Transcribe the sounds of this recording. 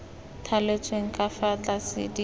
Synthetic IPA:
tʰalet͡sʼweŋ̩kʼafat͡ɬʼasɪ̰di

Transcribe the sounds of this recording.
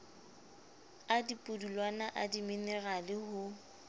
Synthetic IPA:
adipʼʊdulwanaʔadimɪnɪralɪhʊ

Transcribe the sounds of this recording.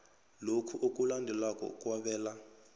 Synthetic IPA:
lokʰuʔokʼulandʱɛlakʼɔ̰kʼwaɓɛːla

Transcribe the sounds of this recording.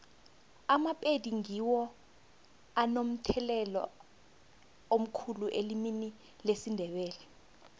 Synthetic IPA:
amapʼediŋiwɔ | anom̩tʰɛlɛlɔ̰ | om̩kʰuluʔelimini | lesindʱɛɓɛːlɛ

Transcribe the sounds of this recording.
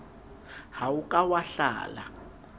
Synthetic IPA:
hawukʼawaɬa̰ːla̰

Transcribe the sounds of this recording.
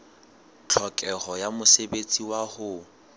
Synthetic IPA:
t͡ɬʰɔkʼɛhɔjamʊsebet͡sʼiwahʊ

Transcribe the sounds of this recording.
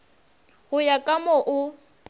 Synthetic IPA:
ɣʊjakʼamɔʔʊ

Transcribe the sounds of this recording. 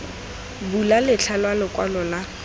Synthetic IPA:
bulalɪt͡ɬʰalwalɪkʼwalɔla

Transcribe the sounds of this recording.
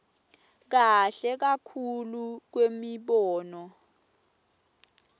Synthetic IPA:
k̬aɬɛk̬akʰuluk̬wemiɓɔːnɔ

